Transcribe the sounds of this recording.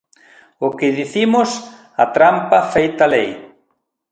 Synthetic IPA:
ʊkɪðiθimʊs | ɐt̪ɾampɐfejt̪ɐlej

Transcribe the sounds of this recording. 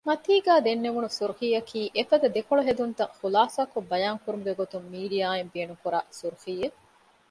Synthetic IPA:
mɐt̪iːɡæːd̪enːeʋunusuɾuhiːɐkʰiːʔefɐd̪ɐd̪ekoɭoɦed̪unt̪ɐχulaːsaːkobɐjaːŋkuɾumuɡeɡot̪umːiːɖijaːembiɐnukuɾa̰ːsuɾuhiːe

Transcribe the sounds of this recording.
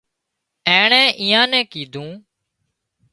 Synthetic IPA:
ẽːɳɛ̃ːʔiːãːnɛ̃ːkiːd̪ʱũː

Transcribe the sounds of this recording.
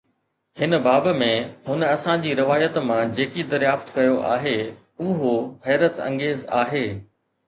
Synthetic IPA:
hɪnə̆baːbmẽɦʊnɐsãd͡ʑiːɾɪʋaːjət̪mãd͡ʑeːkid̪ɐɾjaːft̪kɐjoʔa̰ːɦe | ʊɦoɦɛːɾət̪ɐ̰̃ŋɡeːzaːɦeː

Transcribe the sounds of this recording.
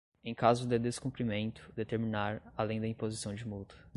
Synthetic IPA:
ẽj̃kazʊd̪ɪd̪eskũpɾimẽnt̪ʊ̥d̪et̪eɾminaɾalẽj̃d̪ɐĩpozisɐ̃w̃d͡ʒɪmut̪ɐ̥

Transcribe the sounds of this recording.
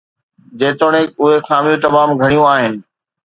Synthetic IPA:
d͡ʑeːt̪oːɽ̃ekʊɦexaːmijũt̪ɐmaːmɡʱɐɽ̃ijũaːɦɪnɪ̆

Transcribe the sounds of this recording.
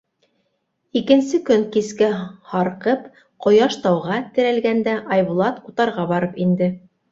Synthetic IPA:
ikɘ̆nsɘkɵŋkiskæhɑɾqɤp | qŏjɑʃt̪ɑwʁɑt̪ɘ̆ɾælɡænd̪æʔɑjβulˠɑt̪ut̪ɑɾʁɑbɑɾɤpind̪ɘ

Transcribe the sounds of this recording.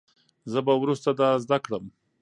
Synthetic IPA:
zəbawɾust̪ad̪ɑzd̪akɽəm

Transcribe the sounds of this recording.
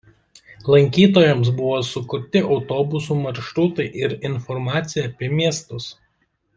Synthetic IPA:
lˠɐŋʲkʲiːt̪oːjɛms̬bʊʋoːsʊkʊɾʲt̪ʲɪʔɒʊt̪oːbʊs̬uːmɐɾʃɾuːt̪ɐɪʔɪɾɪnfɔɾmɑːt̪sʲɪjɛɐpʲiɛmʲiɛst̪ʊs

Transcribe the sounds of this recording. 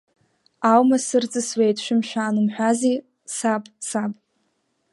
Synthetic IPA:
awmasɨrt͡sʼɨswejtʰʼʃʷᶣɪmʃᶣaːnɨmħʷᶣazi | sapʼsapʼ

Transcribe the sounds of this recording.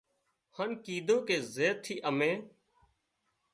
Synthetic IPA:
hənkiːd̪õːkeːzeːt̪ʰːiːʔəmẽː

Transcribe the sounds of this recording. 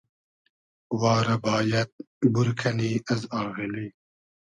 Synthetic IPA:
waːɾɐbaːjɐt̪̚ | buɾkʰɐniːɐzɑːɣiliː

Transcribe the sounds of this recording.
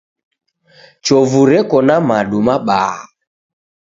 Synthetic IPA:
t͡ʃɔvuɾɛkɔnamaɗumaɓaː

